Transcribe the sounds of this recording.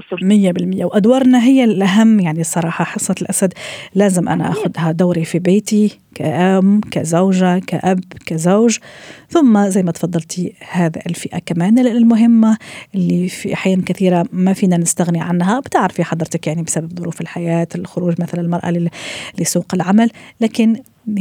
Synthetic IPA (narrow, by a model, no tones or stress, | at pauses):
sbmɪjːabɪlmɪjːawʔad̪wɑːɾˤnaɦɪjːalʔaɦamːjaʕnisˤːɑɾˤɑːħɑħɑsˤːɑlʔasad̪læːzɪmʔana̰ʔaxʊd̪had̪aːɾifibeːt̪i | kaʔabkazawʒaka̰ʔabkazawʒθʊmːazajmat̪fɑd̪ˤːɑlt̪ihaːðlfɪʔa̰kamæːnɪlmʊɦɪmːaʔlːifḭʔħjaːʔkaθiːɾamafiːnanɪst̪aɣniʕanːɦabt̪ɪʕɾfiħɑd̪ˤɾt̪akjaʕnibsababðˤʊɾuːfɪlħajaːt̪ɪlxʊɾuːʒmaθalaɪlmɑɾˤʔa̰lisˤuːqɪlʕamallaːkɪn